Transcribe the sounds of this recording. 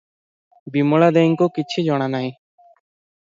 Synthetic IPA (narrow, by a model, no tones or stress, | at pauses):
bimɔɭad̪eŋkɔkit͡ʃʰid͡ʒɔɽ̃anaɦĩ